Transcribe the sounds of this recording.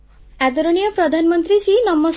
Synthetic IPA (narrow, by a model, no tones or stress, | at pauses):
æd̪ɔɾonijɔpɾɔd̪ʱanmɔnt̪ɾisinʌmːɔs